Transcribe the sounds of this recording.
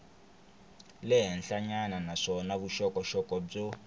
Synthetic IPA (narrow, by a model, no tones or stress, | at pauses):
lɛɦɛnɬaɲananaʂɔnaβuʃɔkɔʃɔkɔb͡ʐɔ